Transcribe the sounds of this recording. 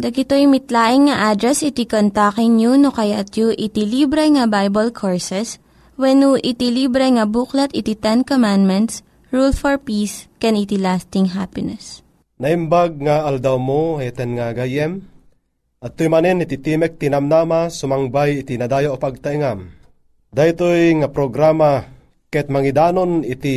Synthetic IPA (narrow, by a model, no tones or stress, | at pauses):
d̪ɐɡɪt̪ojmɪt̪laːʔɪŋːɐʔad̪ɾɛsɪt̪ikont̪akɪŋɲunokɐjat̪juʔɪt̪ilibɾɛŋɐbajbɐlkʰoɹsɛs | wɛnuʔɪt̪ilibɾɛŋɐbuːklɐt̪ɪt̪it̪ɛnkomãnd̪mɛnt̪s | ɹulfɔɹpiːskɛnit̪ilast̪ɪŋɦapɪnɛs | nɐʔimbaɡ̚ŋaald̪awmoɛt̪ɛnŋaɡajɛm | ʔɐt̪ːojmaninit̪it̪imɛk̚t̪inamnaːmasʊmaŋbajɪt̪inad̪aːjoʔopaɡ̚t̪aiŋam | d̪ait̪ojŋapɾoɡɾama | kɛt̪̚mɐŋid̪aːnonit̪i